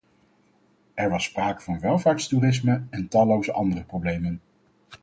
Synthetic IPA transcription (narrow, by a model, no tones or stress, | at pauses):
ɛɹʋɑsːpraːkəvɑnʋɛlˠvaːɹtsturɪs̬məɛntɑlowsəʔɑ̰ndərəprowblejmən